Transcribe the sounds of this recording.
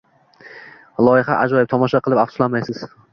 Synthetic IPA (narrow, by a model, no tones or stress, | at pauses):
lˠɒjɪχa̰ʔad͡ʒɒjɪp̚t̪ʰɒmɒʃaqʰɨlˠɪpafsʊ̥lˠanmajsɪz̥